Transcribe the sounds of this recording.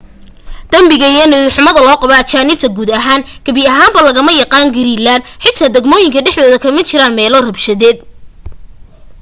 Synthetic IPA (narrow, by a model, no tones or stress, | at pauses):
d̪̥ɐmbɪɣɐijɐnɪħʊmɐðɐlɔːqɑβɐɐt͡ʃaːnɪb̚t̪ʰɐɡuːd̪ɐɦaːnɡ̥ɐβɪɐɦaːmbɐlɐɣɐmɐjɑqɑːŋɡɪɾiːlːaːnħɪt̪̚tʰɐd̪ɛɡmɔːjɪŋkʰɐɖɛħðɔːðɐkʰɐmɐt͡ʃɪɾaːnmɛːlɔrɐbʃɐðɛːd̪̚